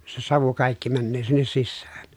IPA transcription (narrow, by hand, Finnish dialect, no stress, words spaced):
se sɑʋu kɑˑikːi mænːøː sinːes sisːææ̥n̥